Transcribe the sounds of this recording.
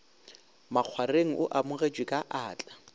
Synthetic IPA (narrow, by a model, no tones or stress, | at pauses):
maq͡χʰwareŋ̩ʔʊʔamʊɣet͡ʃwɪkʼaʔaːt͡ɬʼa